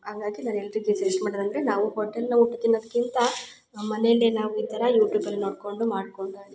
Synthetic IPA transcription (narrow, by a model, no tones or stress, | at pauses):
haŋɡaːɡinaːnelːɐɾiɡeseɾismaːɽid̪ɐnd̪ɐɾenaːʋuɦoːʈelnuuʈːut̪ːinːɐd̪ɐkːint̪ɐ | mɐnejɐlːenaːʋuiːt̪ɐɾɐjuːʈjuːpɐlːino̞ːɽko̞ɳɖumaːɽko̞ɳɖui